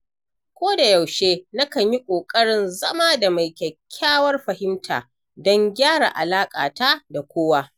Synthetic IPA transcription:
kʷoː˦da˨jɐ˨wʃeː˦na˦kɐ˨ɲji˦kʷʼoː˨kʼɐ˦ɽɪ˨nzɐ˦maː˦da˨ma˨jkʲɐ˨kʲʰːaː˦wɐ˦rɸɐ˨hɪ˦mtʰa̰ː˨ | dɔ˦ŋɡʲaː˦ɽa̰˨ʔa˨laː˦kʼa̰ː˨ta˦da˨kʷoː˦wa˦

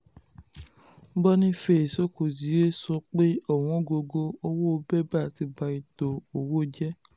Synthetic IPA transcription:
bɔ˦nĩ˦fe˦˨e˨so˦ko˨zi˨˦ɾe˦sɔ˧k͡pe˦ɔ˦˨w̃ɔ̃˨˦ɡo˧ɡo˧o˦wo˦o˧bɛ˦ba˦˨ti˧˦ba˧i˨to˨o˨wo˦˨d͡ʒɛ˦

